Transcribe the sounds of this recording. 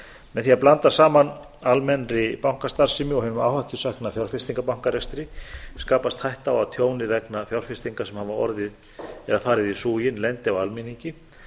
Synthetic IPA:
mɛðθiaplant̪asaːman | almɛnrɪpawŋ̥kast̪ar̥sɪmɪɔhʏnʏmawhaht̪ʰʏsahknafjawr̥fɪst̪iŋkapawŋ̥kaɾɛst̪ɾɪskaːpast̪hajht̪awat̪ʰjoːwnɪvɛknafjawr̥fɪst̪iŋkasɛmhavaɔ̰ɾðɪð | ɛðafaːɾɪðisuːjɪnlɛnt̪ɪawalminiɲcɪ

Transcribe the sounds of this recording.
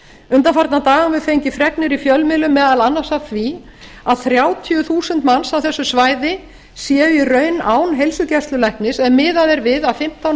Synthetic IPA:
ʏnt̪anfaɾt̪nat̪aːɣanvɪðfejɲcɪfɾɛknɪɾifjœlmɪlʏmːɛːðalanːasaθvi | aðθɾjaːwt̪ʰjʏθuːsʏnt̪mansawθɛsːʏsvaːjðɪ | sjɛːʏirœːɥnaːwnɦejlsʏcɛst̪lʏlajhknɪsɛnmɪːðaðɛɾvɪðaðfɪm̥t̪a

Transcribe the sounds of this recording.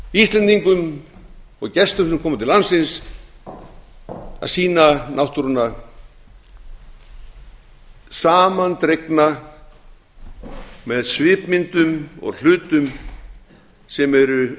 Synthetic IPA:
ist̪lɛnt̪iŋkʏm | ɔɣcɛst̪ʏmnʏmkʰɔːmat̪ʰɪlansɪns | a̰ðsiːnanʔawht̪uɾʏna | saːmant̪ɾejkna | mɛðsvɪːpmɪnt̪ʏmɔ̰ɣl̥ʏːt̪ʏm | sɛmɛɾʏ

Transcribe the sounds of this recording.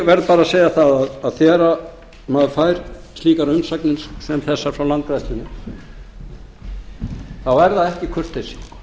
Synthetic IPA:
vɛɾðpaːɾaseːjaθaðaðaðθɛːɾa | maðfajɾ̥st̪liːkaɾʏmsaknɪnssɛmθɛsːaɾ̥fɾawlant̪̚kɾajst̪ɪnːɪ | θawɛɾðaðɛhcɪkʰʏr̥t̪esi̥ŋ

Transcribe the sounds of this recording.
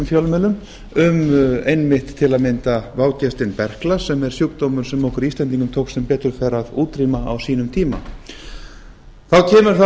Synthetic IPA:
mfjœlmɛːlʏm | ʏmejnmɪht̪ʰːɪlaðmɪnt̪avaːwcɛst̪ɪnpɛr̥klasɛmɛɾ̥sjukt̪oːwmʏɾ̥sɛmohkʏɾiːst̪lɛnt̪̬iŋkʏmt̪ʰoːwksɛmpɛːt̪ʏɾ̥fɛɾaðuːt̪ɾimaa̰wsiːnʏmt̪ʰiːma̰ | θawcʰɛːmʏɾ̥θa

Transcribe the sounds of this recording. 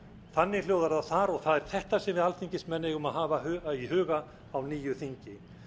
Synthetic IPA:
θanːɪljoːwðaɾðaθaɾɔɣθaðɛɾ̥θɛht̪asɛmvɪðalθiɲcɪst̪mɛnːɪɣʏmaðɦaːvaɦiɦʏːɣaː | wniːjʏθiɲcɪ

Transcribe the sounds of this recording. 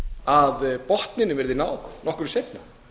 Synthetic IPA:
aðpɔht̪nɪnʏvɛɾðɪnaːwθnɔhkʏɾsejt̪na

